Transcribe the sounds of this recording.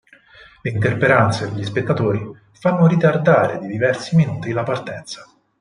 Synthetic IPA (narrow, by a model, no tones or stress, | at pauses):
leint̪erpeɾant̪sed̪eʎːispet̪ːat̪oːɾi | fanːoɾit̪ard̪aːɾḛd̪id̪ivɛrsiminuːt̪ilapart̪ɛnt̪sḁ